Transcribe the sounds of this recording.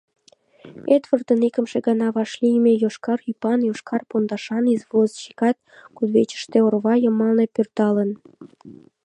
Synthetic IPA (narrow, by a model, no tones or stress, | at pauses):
et̪βərt̪ənikəmʃeɡɑnɑβɑʃlimejoʃkɑrypɑnjoʃkɑrpond̪ɑʃɑnizβozʃi̥kɑt̪̚kud̪βet͡ɕə̥ʃt̪eorβɑjəmɑlnepørt̪ɑlən